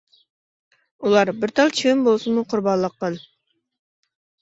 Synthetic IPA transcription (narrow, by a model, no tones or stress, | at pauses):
ulˠɑɾbɪɾt̪ʰɑlˠt͡ʃʰiwɪmbolˠsɨnmuqʰʊɾbɑnlˠəqːɑn